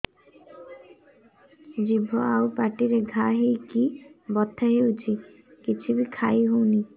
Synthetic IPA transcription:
d͡ʒibʱoawpaʈiɾeɡʱaɦejkibɔt̪ʰːaɦewt͡ʃʰi | kit͡ʃʰubikʰajɦuwni

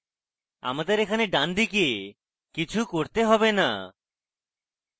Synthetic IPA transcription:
a̰mad̪eɾekʰaneɖand̪ike | kit͡ɕʰukoɾt̪eɦɔbena̰

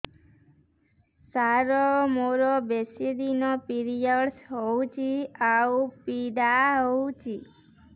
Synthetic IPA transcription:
saɾomoɾobesid̪inɔpiɾijəɽsɦowt͡ʃʰiaupidaɦout͡ʃʰi

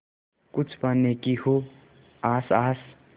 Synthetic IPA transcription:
kʊt͡ʃʰbənːekiho | aːsaːs

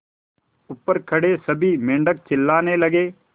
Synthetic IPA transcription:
ʊpːəɾkʰɐɽesɐbʱimẽːɳɖək̚t͡ʃɪlːaːnelɐɡeː

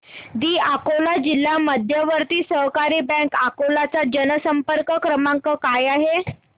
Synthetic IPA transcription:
d̪iːʔakolad͡ʑilːaməd̪ʱjəʋəɾt̪iːsəɦkaɾiːbɛ̃kakolat͡sad͡ʑənəsəmpəɾkəkɾəmãŋkəkajaɦe

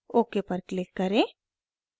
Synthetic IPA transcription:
oːkepəɾklɪkːɐɾẽ

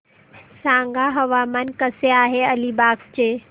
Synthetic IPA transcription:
sãːŋɡaɦɐʋaːmənkɐseaːɦeɐlibaːkt͡ʃeː

